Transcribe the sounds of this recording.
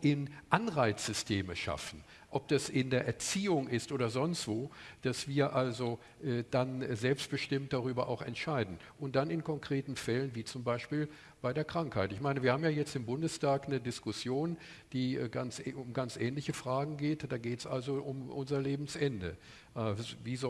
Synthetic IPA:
ʔɪnʔanʁaɪt͡sz̥ʏstʰeːməʃa̰fn̩ | ʔɔp̚d̥asɪndeːɐʔɛɐt͡siːʊŋɪstʔoːdɐzɔnstv̥oːd̥asv̥iːɐʔalzo | ʔɛːd̥anzɛlpst̚b̥əʃtɪmt̚d̥aʁyːbɐʔaʊxɛ̰ntʃaɪdn̩ | ʔʊnt̚d̥anɪnkʰɔŋkʁ̥eːtn̩fɛlənviːt͡sʊmbaɪʃpiːl | b̥aɪdeːɐkʁ̥aŋkhaɪtɪçmaɪnəviɐhaːbmjaːjɛt͡stɪmbʊndəstʰaːknədɪskʊsjoːn | d̥iːɡansʊmɡant͡sʔɛːnlɪçəfʁ̥aːɡŋ̩ɡeːtd̥aːɡeːtsʔalzoʔʊmʔʊnzɐleːbm̩sʔɛndə̰ | ʔviːz

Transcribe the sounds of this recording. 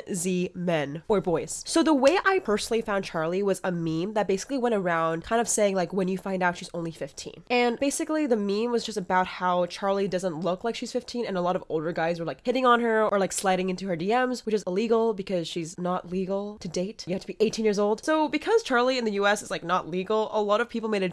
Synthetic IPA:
zimɛ̃nə˞bɔɪz̥soʊðəweɪʔaɪpʰɜ˞sn̩l̩ˠifãʊ̃nt͡ʃʰɑɹlˠiwʌzəmĩmðɨt̚b̥eɪsɪkliwɛ̃ɾ̃ə˞ãʊ̃nd̚kʰãɪ̃ndʌv̥seɪɪ̃ŋlaɪkwɨ̃njɨfãɪ̃ndaʊtʃizõʊ̃nlifɪftʰḭ̃nɨ̃nb̥eɪsɨkliðɨmĩmwʌzd͡ʒʌstɨbaʊt̚haʊt͡ʃʰɑɹlˠidʌzə̃ntˡlʊklaɪkʃiz̥fɪftʰĩnɨ̃nəlɔɾʌvoʊlˠdə˞ɡaɪzwə˞laɪkhɪɾɪ̃ŋə̃nə˞ə˞laɪkslaɪɾɪ̃ŋɪ̃ntʉə˞diɛ̃mzwɨt͡ʃɨzɪliɡl̩ˠbɨkʰʌz̥ʃiznəʔliɡl̩ˠtʰɨdeɪtjɨhæftʰɨbiʔeɪtʰĩnjɪɹzoʊlˠd̥soʊbɨkʰʌz̥t͡ʃʰɑɹlˠiɨ̃nðɨjʉɛsɨslaɪk̚nəʔˡliɡl̩ˠəlɔɾʌv̥pʰipl̩ˠmeɪɾɨ

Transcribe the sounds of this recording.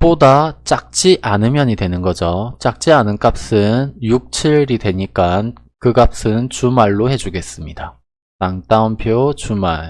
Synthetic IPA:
podat͡ɕ͈ak̚t͡ɕ͈iʔanɯmjʌɲidwe̞nɯnɡʌd͡ʑot͡ɕ͈ak̚t͡ɕ͈ianɯnk͈ap̚s͈ɯnjuk̚t͡ɕʰiɭɾidwe̞ɲik͈an | kɯkap̚s͈ɯnt͡ɕumaɭːohe̞d͡ʑuɡe̞s͈ɯmɲida | taŋt͈aunpʰjot͡ɕumaɭ

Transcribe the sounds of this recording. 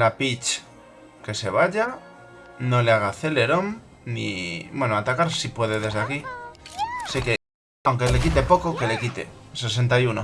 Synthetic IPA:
lapit͡ʃ | ke̞se̞β̞aʎa | no̞leaɣ̞aθe̞le̞ɾo̞mnḭbwe̞noat̪akaɾsipwe̞ð̞e̞ðe̞zðeaki | sike̞ | awŋkele̞kit̪e̞po̞koke̞le̞kit̪e̞̰se̞s̬e̞nt̪ajuno

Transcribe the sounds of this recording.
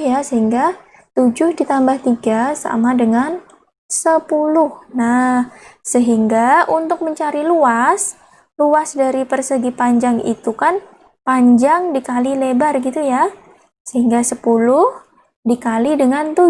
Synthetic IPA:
jasəɦiŋɡa | t̪ud͡ʒʊhdit̪ambaht̪iɡasa̰madəŋan | səpulʊhnahsəɦiŋɡaʔunt̪ʊk̚məɲt͡ʃaɾiluas | luasdaɾipərsəɡipaɲd͡ʒaŋḭt̪ukan | paɲd͡ʒaŋdikalilebarɡit̪uja | səɦiŋɡasəpulʊh | dikalidəŋant̪u

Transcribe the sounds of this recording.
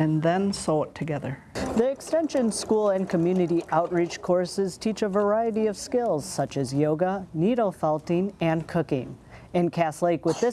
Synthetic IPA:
ɨ̃nðɛ̃nsɔoʊətʰɨɡɛðə˞ | ðiɨkstɛ̃nʃɨ̃nskulˠɨ̃nkʰɨmjʉnɨɾiʔaʊt̚ɹit͡ʃkʰɔɹsɨz̥tʰit͡ʃəvə˞aɪɨɾiʌv̥skɪlˠz̥sʌt͡ʃɨzjoʊɡəniɾoʊfɛlˠtĩnɨ̃nkʰʊkɪ̰̃ŋɨ̃nkʰæsleɪkwɨðɪ

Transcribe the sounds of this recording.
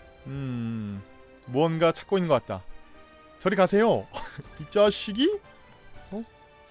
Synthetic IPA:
ɯ | muʌnɡat͡ɕʰḁk͈̚oinɯŋɡʌkat̚t͈a̰ | t͡ɕʌɾikasʰe̞joit͡ɕ͈oaɕ͈iɡi | o

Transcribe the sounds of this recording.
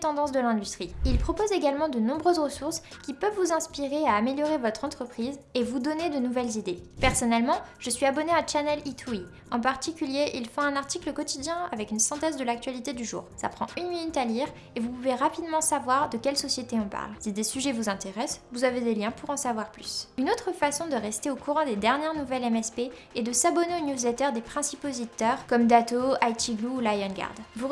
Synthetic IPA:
t̪ɑ̃d̪ɑ̃s̬d̪əlɛ̃d̪yst̪χiilpχɔpozeɡalmɑ̃d̪ənɔ̃bʁøzʁəsuʁskʲipœvːuzɛ̃spiʁeaːmeljɔʁevɔt̪χɑ̃t̪χəpχizevud̪ɔned̪ənuvɛlzid̪epɛʁsɔnɛlmɑ̃ʒ̥əsɥiabɔneat͡ʃanɛlit̪ʰui | ɑ̃paʁt̪ikʲyljeʔilfɔ̃ɛ̃naʁt̪ikləkɔt̪id̪jɛ̃avɛkynsɛ̃t̪ɛzd̪əlak̚t̪ɥalit̪ed̪yʒṵːʁsa̰pχɑ̰̃ynminyt̪aliːʁ | evupuveʁapid̪mɑ̃savwaʁd̪əkʲɛlsɔsjet̪eɔ̃pa̰ʁlsid̪esyʒɛvuzɛ̃t̪eʁɛsvuzaved̪eljɛ̃puʁɑ̃savwaʁplysynot̪χəfasɔ̃d̪əʁɛst̪eokuʁɑ̃d̪ed̪ɛʁnjɛʁnuvɛlɛmɛspeː | d̪əsabɔneonjuzlɛt̪œʁd̪epχɛ̃sipozit̪œʁkɔmd̪at̪oajt̪iɡluːlajɔnɡa̰ʁd̪vu

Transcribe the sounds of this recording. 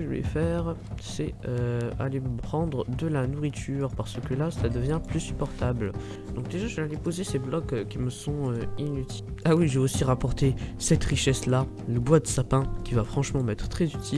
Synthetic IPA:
əʒəvɛ̰fɛʁ | sɛøa̰lempχɑ̃d̪ʁəd̪əlanuʁit̪ʰyːʁpaʁsəkəlasəlad̪əvjɛ̃plysypɔʁt̪abl | d̪ɔ̃k̚d̪eʒaʒəvɛalepozeseblɔkkʲːiməsɔ̃øinyt̪ʰi̥lawiʒeosiʁapɔʁt̪esɛt̪ʁiʃɛsla | ləbwad̪əsapɛ̃kʲivafχɑ̃ʃmɑ̃mɛt̪χət̪χɛzyt̪ʰil

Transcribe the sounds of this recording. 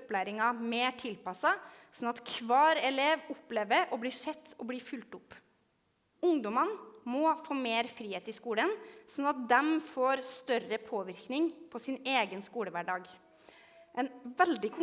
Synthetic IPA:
plæɪɾɪŋɑmeːʈʰɪlpɑsɑsɔnɑt̪kʰʋɑːɾɛleːʋʊpleːʋəɾɔbliːʂɛt̪ʰːɔbliːfʉlt̪ʊpː | ʊŋd̪ɔmɑnmɔfoːmeːɾfɾiːheːt̪ɪskuːlənsɔnɑt̪̚d̪ɛmfoːɾst̪œrəpʰoːʋɪɾknɪŋpʰɔsɪneːɡənskuːləʋæɖɑːɡ | ʔɛnʋɛld̪ɪkʰʊ

